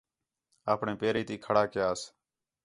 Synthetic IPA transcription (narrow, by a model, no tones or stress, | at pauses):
aːpɳẽːpeːɾiːt̪iːkʰəɽaːkɪjaːs